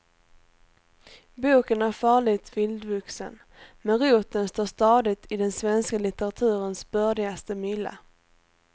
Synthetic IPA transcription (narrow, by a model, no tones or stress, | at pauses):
buːkənæɾfɑːɭɪt̪vɪld̪vɵksə̰n | mɛnɾuːt̪ənst̪oːʂt̪ɑːd̪ɪt̪ʰɪd̪ɛnsvɛnskalɪt̪əɾat̪ʰʉ̟ːɾənsbœɖɪɡast̪əmʏlːa̰